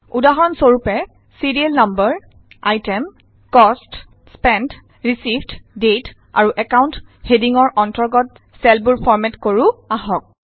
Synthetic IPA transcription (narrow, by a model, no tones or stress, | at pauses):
udaɦɔnsoɹupɛ | siɹielnambəɹ | ajtɛm | kɔst | spɛnd | ɹisibtdet | a̰ɹuʔɛkawnthediŋɔɹʔɔntɔɹɡɔt̚ | sɛlbuɹpʰɔɹmɛtkoɹuaɦɔk̚